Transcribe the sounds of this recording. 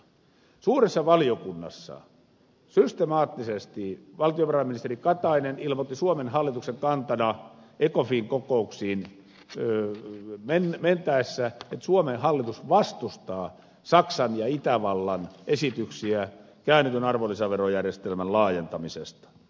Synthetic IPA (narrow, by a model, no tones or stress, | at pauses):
suːresːɑʋɑliokunːɑ̰sːɑ̰ | syst̪emɑːt̪ːisest̪iʋɑlt̪ioʋɑrɑimːinist̪erikɑt̪ɑinenilmot̪ːisuomenhɑlːit̪ukseŋkɑnt̪ɑnɑekofiŋkokouksiːn | menment̪æesːæet̪suomenhɑlːit̪usʋɑst̪ust̪ɑː | sɑksɑnjɑit̪æʋɑlːɑnʔesit̪yksiæ | kæːnːyt̪ynɑrʋolːisɑʋerojærjest̪elmænlɑːjent̪ɑmisest̪ɑ̥